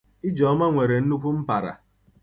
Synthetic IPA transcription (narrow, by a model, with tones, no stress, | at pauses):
i˦d͡ʒɔ˨˦ma˦ŋʷe˨ɾe˨n̩˦nu˦kʷu˦m̩˦pa˨ɾa̰˨